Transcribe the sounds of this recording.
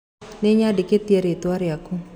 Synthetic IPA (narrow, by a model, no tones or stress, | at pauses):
neɲadɪket̪jeɾet̪waɾjaku